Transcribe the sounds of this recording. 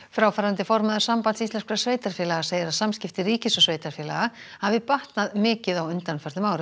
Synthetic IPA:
fɾaːwfaɾant̪ɪfɔɾmaðʏ̥ɾsampant̪sist̪lɛnskʰɾasveːjt̪aɾ̥fɛːlaɣasejðɪɾaðsamscɪft̪ɪriːcɪsɔsveːjt̪aɾ̥fjɛːlaɣahavɪpaht̪naðmɪːcɪðawʏnt̪anfɛɾt̪ʏmaːwɾɪ

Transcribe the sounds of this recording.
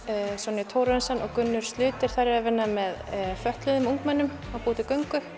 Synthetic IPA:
sɔnɪt̪ʰowɾɛnsanʔɔɣkʏnːʏɾ̥st̪lʏːt̪ɪɾ̥θaɾɪɾavɪnːamɛðfœht̪lʏðʏmuŋkmɛnːʏm | awpuːt̪ɪkœɥŋkʏ

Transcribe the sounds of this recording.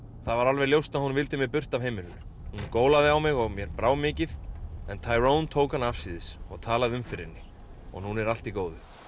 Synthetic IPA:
θavaɾalvɛɾljowst̪naðhunvɪlt̪ɪmjɛpʏr̥t̪avɦejmɪnʏhunkoːwlaðɪawmɪɣɔɣmjɛɾpɾaːwmɪːcɪðɛnt̪ʰaːjɾownt̪ʰoːwkanafsiːðɪsɔ̰ɣt̪ʰaːlaðɪʏmfɪɾɪ̰nːɪ | ɔ̰ɣnunɛɾal̥t̪ikoːwðʏ

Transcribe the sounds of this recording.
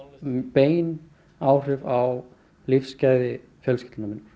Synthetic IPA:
peːjn | aːwr̥ɪvaw | lifscaːjðɪ | fjœlscɪ̥t̪lnamɪnːɾ̥

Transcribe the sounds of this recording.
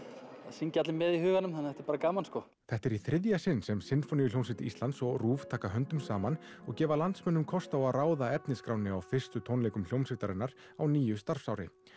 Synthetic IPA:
aðsiŋcat̪lɪmːɛðihʏːɣanʏmanθɛht̪ɛɾpaːɾakaːmanskɔ | θɛht̪ɛɾiθɾɪðjasɪnːsɛmsɪnfɔnɪjʏljownsɪt̪ɪist̪lant̪sɔɣruːft̪ʰaːkaɦœnt̪ʏmsaːman | ɔɣcɛːvalant̪smɛnːʏmkʰɔst̪awaðraːwðaɛpnɪskɾawnɪawfɪr̥st̪ʏt̪ʰownlejkʏml̥jownsɪt̪aɾɛnaɾ̥ | awniːjʏst̪aɾ̥fsawɾɪ̰

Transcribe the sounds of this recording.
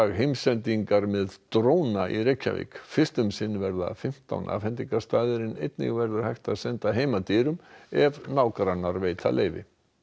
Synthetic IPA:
aɣɦejmsɛnt̪iŋkaɾmɪðt̪ɾoːwnaʔiɾejcːa̰vḭkfɪ̥st̪ʏmsɪnːvɛɾða̰fɪm̥t̪a̰wnʔa̰ːvfhɛnt̪iŋkast̪aːðɪɾɪnejt̪nɪ̰ɣvɛɾðʏɾ̥hajht̪aðsɛnt̪aɦeːjmat̪iːɾʏmɛvnawkɾanːaɾvejt̪ʰa̰lʔḛːjvɪ̰

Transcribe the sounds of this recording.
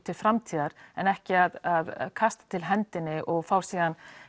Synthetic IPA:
t̪ʰɪlfɾamt̪ʰiːðaɾɛnɛhcɪaðaðkʰast̪ḁt̪ʰɪlɦɛnt̪ɪnːɪʔɔɣfawɾ̥siːðan

